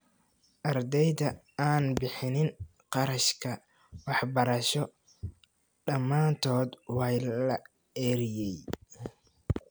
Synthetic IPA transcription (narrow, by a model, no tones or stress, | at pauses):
ʔɐrd̪ɛjðɐ | aːnbɪħɪnɪŋ | qɑɾɐʃkʰɐ | wɑħbɐɾɐʃɔ | ɖɐmːaːnt̪ʰɔːd̪wɑːjlɐ | ɛːɾɪjɛj